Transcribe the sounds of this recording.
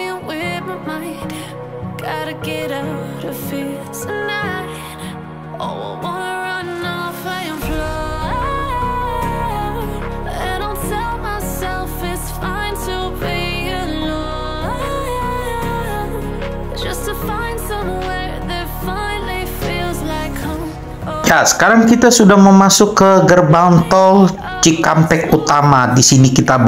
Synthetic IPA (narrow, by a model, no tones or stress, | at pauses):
ə̃wɪb̩maɪ | ɡ̥ɑɾɨɡɛɾaʊɾʌv̥fɪ | sɨ̃nːa | o̰ʊwɑnəɹʌnnɔfaɪɨ̃mplʌ | aɾõʊ̃ntʰɛlˠmaɪsɛlˠfɪz̥fãɪ̃ntʰə | bi | ɨ | lɔ | d̥ʒ̥ʌstʰɨfãɪ̃nd̥sʌ̃mwɛɹ | ðɨtfãɪ̃nlifilˠzlaɪkʰ | o | jasə̥kaɾaŋkit̪asudahməmasʊkːəɡərbant̪ɔl | t͡ʃikampɛkut̪amadisinikit̪ab